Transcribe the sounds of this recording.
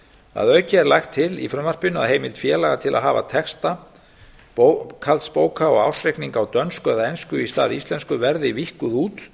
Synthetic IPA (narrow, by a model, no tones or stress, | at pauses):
a̰ðœɥcɪɛɾlajxt̪ʰːɪlḭfɾʏmvar̥pɪnʏa̰ðɦeːjmɪlt̪fjɛːlaɣat̪ʰɪla̰ðɦaːva̰t̪ʰɛkst̪a | kʰalt̪spoːwkʰaɔɣa̰wsrejkniŋkawt̪œnskœðaejnskʏist̪aːðɪist̪lɛnskʏvɛɾðɪvihkʏðuːt̪